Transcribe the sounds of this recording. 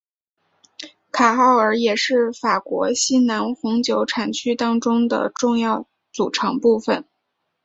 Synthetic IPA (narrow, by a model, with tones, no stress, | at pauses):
kʰa˨˩xɑ˥˩ʊə˞˧˥jɛ˨˩ʂɻ̩˥˩fa˨˩kwɔ̰˧˥ɕi˥na˧˥nxʊ˧˥ŋt͡ɕjo˧˥ʊʈ͡ʂʰa˨˩nt͡ɕʰy˥˧t̪ɑ˥ŋʈ͡ʂʊ˥ŋd̪ə̰˨ʈ͡ʂʊ˥˧ŋjɑ˥˩ʊ | t͡su˨˩ʈ͡ʂʰɤ˧˥ŋpu˥˩fə˨˩n